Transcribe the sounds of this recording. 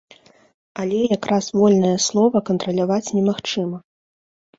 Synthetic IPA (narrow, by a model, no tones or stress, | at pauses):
alʲɛjakɾʔasvɔlʲnɐjɐslˠɔvɐkɐnt̪ɾɐlʲavat͡sʲnʲɛmaxt͡ʂɨmɐ